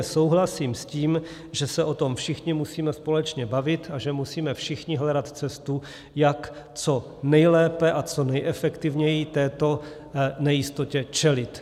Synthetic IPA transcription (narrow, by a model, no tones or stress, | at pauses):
so̞wɦlasiːmsciːm | ʒɛsɛʔo̞t̪o̞mfʃɪxɲɪmusiːmɛspo̞lɛt͡ʃɲɛbavɪt̪aʒɛmusiːmɛfʃɪxɲɪɦlɛdat̪t͡sɛst̪u | jak | t͡so̞ | nɛjlɛːpɛʔat͡sonɛjʔɛfɛkt̪ɪvɲɛjit̪ɛːt̪o̞ | nɛjɪst̪ocɛt͡ʃɛlɪt̪